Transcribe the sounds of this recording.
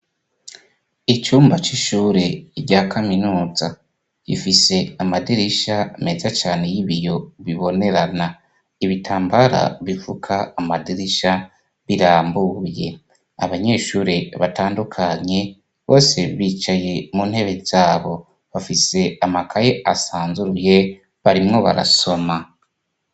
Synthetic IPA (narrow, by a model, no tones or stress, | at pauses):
it͡ʃuːmbat͡ʃiʃuːɾe̞ɾɟaːkʰaminuːza | kḭfise̞amadiɾiʃame̞zat͡ʃaːne̞jiβijo̞βiβo̞ne̞ɾana | iβitʰaːmbaɾa̰βifukʰaːmadiɾiʃa | βiɾaːmbuɾje̞̰ | a̰βaɲe̞ːʃuːɾeβataːndukʰaɲe̞ | βo̞ːse̞βiːt͡ʃaje̞muːnhe̞βe̞z̥aːβo̞ | βafise̞amakʰajeʔasaːnzuɾuje | βaɾimŋo̞βa̰ɾa̰so̞ma